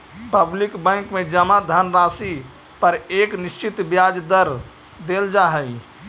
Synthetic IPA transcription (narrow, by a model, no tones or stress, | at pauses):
pəblɪkbɛ̃ŋkmẽd͡ʒəmad̪ʱənɾaːsi | pəɾeːknɪʃt͡ʃit̪bjaːd͡ʒd̪əɾ | d̪eːld͡ʒaːɦəi